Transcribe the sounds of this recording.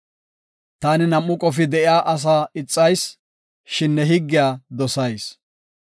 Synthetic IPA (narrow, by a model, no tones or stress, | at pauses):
t̪aːnɪnɐmːʊkʼɔfɪd̪ɛʔɪjaːʔɐs̬aːɪt͡sʼːɐjs | ʃɪnːɛɦɪɡːɪjaːd̪ɔsɐjs